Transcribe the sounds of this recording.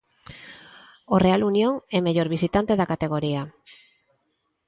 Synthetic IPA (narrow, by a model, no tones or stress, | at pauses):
ore̞alunio̞nemeʝo̞ɾβisit̪ant̪e̞ðakat̪e̞ɣ̞o̞ɾia